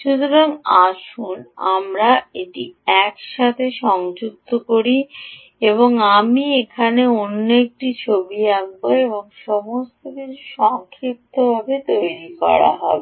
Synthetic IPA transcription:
ʃud̪ʰʱoɾaŋaʃuna̰mɾaeʈiɛkʃat̪ʰeʃɔŋd͡ʑuk̚t̪ʰokoɾi | eboŋamiekʰaneonːoek̚ʈit͡ɕʰobiaɡ̚boeβoŋʃɔmost̪okiɾʰuʃɔŋkʰɾip̚t̪ʰːobʱabet̪ojɾikɔ̰ɾa̰ɦɔ̰be

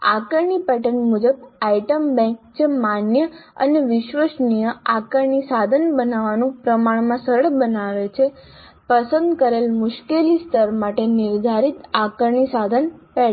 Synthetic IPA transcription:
a̰kəɾɳipɛʈənmud͡ʒəbaiʈəmbɛ̃ŋk̚t͡ʃʰemanjəə̰neʋɪʃʋəʃnijəakəɾɳisad̪ʱənbənaʋanũpɾəmaɽmãsəɾəɭbənaʋet͡ʃʰe | pəsə̃nd̪kəɾelmʊʃkelist̪əɾmaʈenɪɾd̪ʱaɾit̪akəɾɳisad̪ʱənpɛ

